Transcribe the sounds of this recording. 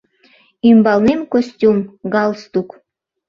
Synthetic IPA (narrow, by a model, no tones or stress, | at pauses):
imbɑlˠnemkosʲtʲumɡɑlˠst̪uk